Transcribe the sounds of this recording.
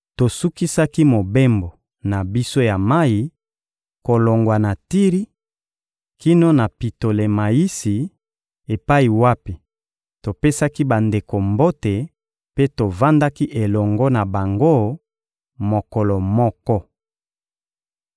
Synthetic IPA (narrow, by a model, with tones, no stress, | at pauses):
to˨su˦ki˦sa˦ki˦mo˨be˦mbo˨ | na˨bi˦so˦ja˨ma˦i˨˦ | ko˨lo˨ŋɡwa˨na˨ti˦ʁi˦ | ki˦no˦na˨pi˨to˨le˨ma˨ji˦si˨ | e˨pa˦i˨wa˦pi˨ | to˨pe˦sa˦ki˦ba˨nde˨ko˨mbo˦te˨ | pe˦to˨va˦nda˦ki˦ʔe˨lɔ˨ŋɡɔ˦na˨ba˨ŋɡo˦ | mo˨kɔ˨lɔ˨mɔ˦kɔ˦